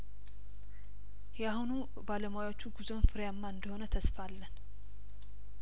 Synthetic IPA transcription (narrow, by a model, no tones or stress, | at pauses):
jahunu | baləmajwo̞t͡ʃːuɡuzonfɨɾjamːaɨnd̪əho̞nət̪ʰəsfalːən